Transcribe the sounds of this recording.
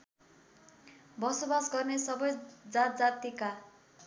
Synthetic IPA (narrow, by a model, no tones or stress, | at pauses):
bʌsobasɡʌrnesʌbʌjd͡zat̪̚d͡zat̪ika